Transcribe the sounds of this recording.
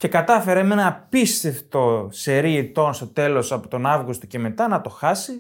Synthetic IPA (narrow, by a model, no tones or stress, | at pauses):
ce̞kɐt̪ɐfe̞ɾeme̞nɐːpist̪e̞ft̪o̞seɾiet̪o̞nst̪o̞t̪e̞lo̞sɐpo̥t̪o̞nɐvɣust̪oce̞me̞t̪ɐnɐt̪o̞xɐsi